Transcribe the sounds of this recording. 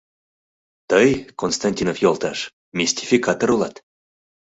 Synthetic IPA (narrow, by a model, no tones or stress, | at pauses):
t̪əjkonst̪anʲtʲinofjolˠt̪ɑʃ | mʲisʲtʲi̥fʲikat̪oɾulˠɑt̪